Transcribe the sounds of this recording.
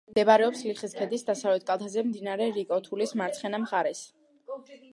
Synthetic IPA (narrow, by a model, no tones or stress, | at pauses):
md̪ɛbaɾɛɔpsliχiskʰɛd̪isd̪asavlɛt̪̚ʰkʼalˠt̪ʰazɛmd̪inaɾɛɾikʼɔt̪ʰulismaɾt̪sʰχɛnamχaɾɛs